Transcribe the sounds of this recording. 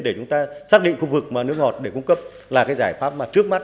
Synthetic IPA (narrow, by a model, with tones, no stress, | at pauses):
ɗe˧˩t͡ɕʊ˨˦ŋ͡mt̪aː˧saː˦˥k̚ɗḭ˧˨ŋ̟xu˧vɨ˨˩k̚maː˨˩nɨ˦˥əkŋɔ˨˩t̚ɗe˧˩kʊ˧ŋ͡mkə˦˥p̚ | laː˨˩kaː˨˦jzaː˧˩jfaː˦˥p̚maː˨˩t͡ɕɨ˦˥ək̚ma˦˥t̚